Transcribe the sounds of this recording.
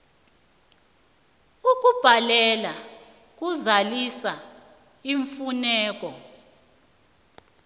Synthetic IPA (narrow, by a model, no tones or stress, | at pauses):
uk̬ʼub̥ʱalɛla | k̬ʼuzalisa | iɱfunɛːk̬ʼɔ